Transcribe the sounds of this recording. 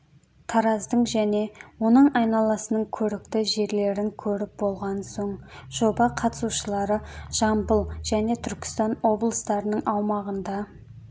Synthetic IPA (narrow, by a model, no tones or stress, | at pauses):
t̪ʰɑɾɑzd̪əɴʒæne̞wo̞nəɴɑjnɑlˠɑsənəɴkʲʰɵɾɪkt̪ɪʒe̞ɾle̞ɾɪŋkʲʰɵɾɪp̚bo̞lˠʁɑnso̞ɴʒ̥o̞bɑqʰɑt̪ə̥suʃəlˠɑɾəʒ̥ɑmbəlˠʒ̥æne̞t̪ʰʏɾkʲɪ̥st̪ɑnwo̞blˠəst̪ɑɾənəɴʔɑwmɑʁənd̪ɑ